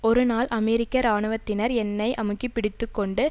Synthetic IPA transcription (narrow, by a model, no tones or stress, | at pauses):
ɔɾɯnaːlɐmɛɾɪkːɐɾaːɳɯʋɐt̪ːɪnɐɾɛnːɐɪʔɐmɯkːipːɪɽɪt̪ːɯkːɔɳɖɯ